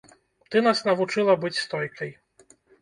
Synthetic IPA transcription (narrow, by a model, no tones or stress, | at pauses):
t̪ɨnasnɐvut͡ʂɨlˠɐbɨt͡sʲst̪ɔjkɐj